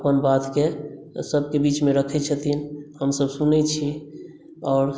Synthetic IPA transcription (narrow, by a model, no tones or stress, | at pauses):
pənbat̪kesəbkebit͡ʃmẽɾəkʰɛt͡ʃʰət̪ʰinhəmsəbsunɛt͡ʃʰi | ɔːɾ